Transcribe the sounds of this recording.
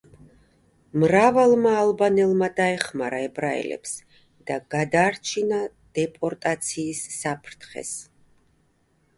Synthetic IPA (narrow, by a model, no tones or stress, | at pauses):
mɾavalˠmaːlˠbanɛlˠmad̪aɛχmaɾaɛbɾaɛ̰lɛ̰ps | d̪̥aɡ̥ad̪aːɾt͡ʃʰina | d̪̥ɛpʼɔɾt̪ʼat̪sʰiːsːapʰɾt̪ʰχɛ̰s